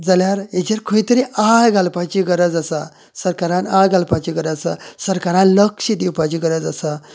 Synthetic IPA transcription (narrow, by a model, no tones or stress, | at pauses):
d͡zaljaɾed͡ʑaɾkʰoit̪əɾiʔajɡʱalpat͡ɕiɡəɾəd͡zasa | səɾkaɾãnajɡʱalpãt͡ɕiɡəɾəd͡zsa̰səɾkaɾãnləkʂid̪iwpat͡ɕiːɡəɾəd͡zəsa